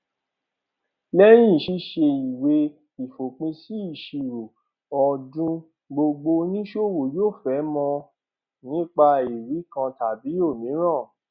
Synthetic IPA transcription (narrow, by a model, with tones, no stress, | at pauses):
lɛ˦j̃ĩ˦˨ʃi˧˦ʃe˧i˨we˧˦ | i˨fo˨k͡pĩ˧si˦i˦˨ʃi˨ɾo˨ | ɔ˨dũ˦ | ɡ͡bo˧ɡ͡bo˧nĩ˦ʃo˦˨wo˨joː˦˨fɛ˨˦mɔ̃˧ | nĩ˦k͡pa˧i˨ɾi˨˦kã˧ta˨bi˨˦o˦˨mĩ˨˦ɾ̃ã˦˨